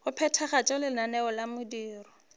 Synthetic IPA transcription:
χʊpʰɛtʰaχat͡ʃʼɔlɪnanɛɔlamʊdiːrɔ

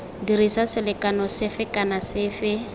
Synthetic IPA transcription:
dirisasɪlɪkʼanɔsɪfɪkʼanasɪːfɪ

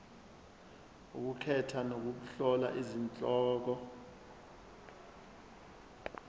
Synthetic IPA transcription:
ṵk̬ukʰɛtʰanok̬uk̬uɬɔla̰ʔizint͡ɬʼɔːk̬ɔ

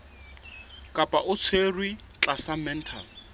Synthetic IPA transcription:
kʼapʼaʔʊt͡sʰerwi | t͡ɬʼasamɛn̩tʰa̰l

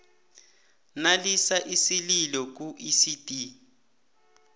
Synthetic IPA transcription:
nalisaʔisililɔk̬uʔisitʼi

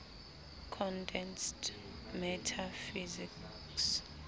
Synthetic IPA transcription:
kʰɔndɛnst | mɛtʰafizik | s

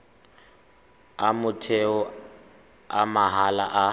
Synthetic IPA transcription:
amʊtʰeɔ | amaɦalaʔa

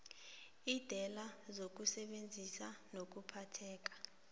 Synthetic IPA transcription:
id̥ʱɛlazok̬usɛɓend͡zʱisanok̬upʰatʰɛːk̬ḁ

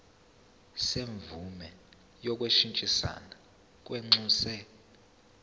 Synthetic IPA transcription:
seɱvumɛ | jɔk̬ʼweʃint͡ʃʼisa̰na | k̬ʼweŋ͡ǀuːsɛ

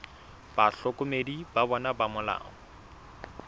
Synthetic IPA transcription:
b̥aɬɔkʊmedibabɔnabamʊla̰ːŋɔ

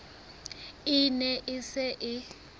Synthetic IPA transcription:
ɪnɛʔɪsɛʔɪ

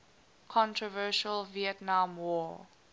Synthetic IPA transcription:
kʰɔ̃ntʰɹɔvɜːˑʃəlviətnãmwɔː

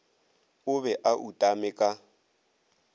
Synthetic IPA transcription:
ʊβɛʔaʔutʼamɪkʼa

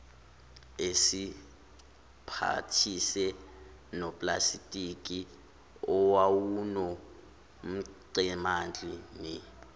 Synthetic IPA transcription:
esi | pʰa̰tʰisɛ | nɔpʼla̰sitʼik̬ʼi | ɔwawunɔ | m̩ǀɛmand͡ɮʼimi

